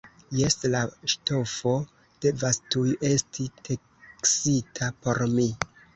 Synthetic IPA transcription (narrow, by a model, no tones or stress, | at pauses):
je̞slaʃto̞fo̞ | d̥e̞vastuje̞stʰitʰe | ksitʰapo̞ɾmi